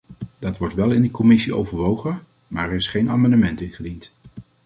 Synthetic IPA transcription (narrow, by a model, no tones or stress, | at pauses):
d̥ɑtʋɔɹtʋɛlˠɪndikɔmɪsio̰wvəɹʋowχən | maːɹɛɹɪsχejna̰ːmɑndəmɛntɪnχədint